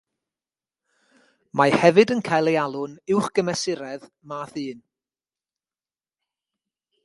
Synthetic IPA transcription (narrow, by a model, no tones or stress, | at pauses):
mahɛvɨdənkʰajlˠejalˠʊnɪwχɡ̥əmɛsɪɾɛð | maːθɨːn